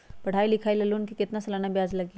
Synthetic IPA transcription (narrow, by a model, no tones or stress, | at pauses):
pɐɽ̤ʱaːilɪkʰaːilɐlunkikɪt̪nasɐlaːnabjaːd͡ʒlɐɡ